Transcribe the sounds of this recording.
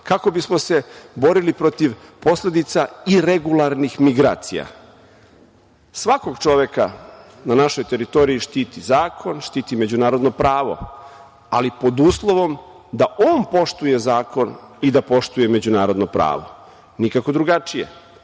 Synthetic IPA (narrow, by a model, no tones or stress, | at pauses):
kako̞bismo̞se̞bo̞ɾilipɾo̞t̪iʋpo̞sle̞d̪it̪saiɾeɡulˠaɾnixmiɡɾa̰ːt̪sḭja̰ | sʋako̞ɡt͡ʃo̞ʋe̞ka | nanaʃojt̪e̞ɾit̪o̞ɾiiʃt̪iːt̪izaːkʰo̞nʃt̪iːt̪ime̞d͡ʑunaːɾo̞d̪no̞pɾaːʋo̞̰ | alipo̞d̪uːslˠo̞ʋo̞m | d̪aʔoːnpo̞ʃt̪uje̞zaːko̞nid̪apo̞ʃt̪uje̞me̞d͡ʑunaːɾo̞d̪nopɾa̰ːʋo̞̰ | nikako̞d̪ɾuɡat͡ʃijḛ